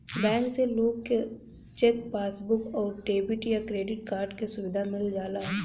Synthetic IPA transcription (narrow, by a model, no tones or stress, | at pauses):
bɛ̃ːŋkseloːɡke | t͡ʃekpaːsbʊkɔːɾʈeːbɪʈjakɾeːɖɪʈkaːɾɖkesʊʋɪd̪ʱamɪld͡ʒaːlaːɦɛː